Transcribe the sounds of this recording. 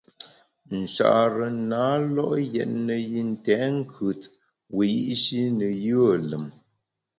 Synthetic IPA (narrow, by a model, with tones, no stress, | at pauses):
n̩˨t͡ʃa̰˨ʔɾə˨naː˨˦lɔ˦ʔjɛ˨t̚nə˨ji˦n̩˨tɛ˨˦ŋ̩˦kʰʉ˨t | wi˨ji˦ʔʃi˦nə˨jə˦˨lə˨m